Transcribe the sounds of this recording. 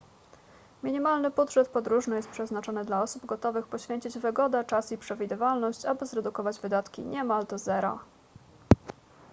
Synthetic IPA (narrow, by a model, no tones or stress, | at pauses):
mʲiɲimalnɘbudʐɛt̪pɔd̪ɾuʐnɘjɛst̪pʂɛznat͡ʂɔnɘd̪laɔsubɡɔt̪ɔvɘxpɔɕfʲjeɲt͡ɕid͡ʑvɘɡɔd̪at͡ʂasipʂɛvʲid̪ɘvalnɔɕt͡ɕabɘzɾɛd̪ukɔvad͡ʑvɘd̪at̪kʲḭɲɛmald̪ɔzɛɾɔ̰